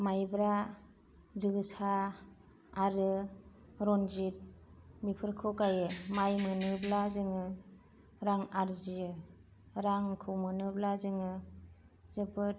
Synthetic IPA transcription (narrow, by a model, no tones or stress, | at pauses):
majbɾa | zɯɡɯsa | aɾɯ | ɾɔnzit̚mipʰɯɾkʰɯkajɯmajmɯnɯblazɯŋɯ | ɾaŋaɾzijɯ | ɾaŋkʰɯmɯnɯblazɯŋɯ | zɯbɯ